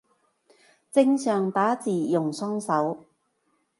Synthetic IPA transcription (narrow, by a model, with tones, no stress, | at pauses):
t͡sɪ˥ŋsœː˨ŋt̪aː˨˥t͡siː˨˩jʊ˨˩ŋsɔː˥ŋsɐ˨˥w